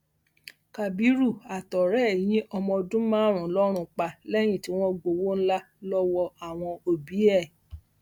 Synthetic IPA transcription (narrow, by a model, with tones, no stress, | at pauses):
ka˨bi˨˦ɾu˦˨a˨tɔ˨ɾɛ˦˨j̃ĩ˦ʔɔ˧mɔ̃˧dũ˦mãː˦˨ɾ̃ũ˨˦lɔ˦ɾ̃ũ˧k͡pa˨lɛ˦j̃ĩ˦˨ti˨˦w̃ɔ̃˦ɡ͡bo˧wo˦n̩˦la˦ | lɔ˦wɔ˧a˨w̃ɔ̃˧o˨bi˨˦ɛ˦˨